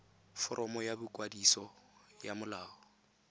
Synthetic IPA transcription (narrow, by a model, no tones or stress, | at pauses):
fɔɾʔɔmɔjabʊkʼwadisɔjamʊlaːɔ